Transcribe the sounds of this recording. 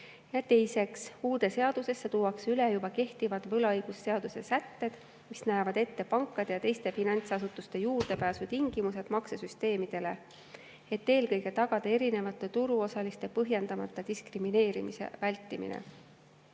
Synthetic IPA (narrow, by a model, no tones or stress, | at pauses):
jɑt̪e̞jse̞ksuːd̪e̞se̞ɑd̪̥use̞sːet̪uːwɑksylejubɑke̞ht̪ivɑd̪̥vɤlɑɤjɡ̥usːe̞ɑd̪̥use̞sæt̪ːe̞d̪̥ | misnæjɑvɑd̪e̞t̪ːe̞pɑŋkːˑɑd̪̥e̞jɑt̪e̞jst̪e̞finɑnʲt̪sɑsut̪ːˑust̪e̞juːrd̪̥e̞pæːsut̪iŋɡ̥imuse̞d̪̥mɑksesyst̪e̞ːmid̪̥e̞le̞ | e̞t̪ːe̞ːlkɤjɡe̞t̪ɑɡ̥ɑd̪̥ɑe̞ɾine̞vɑt̪ːˑe̞t̪uɾuo̞sɑlist̪e̞pɤɦje̞nd̪ɑmɑt̪ˑːɑd̪̥iskrimine̞ːɾimisḛvælʲt̪ˑːimḭnḛ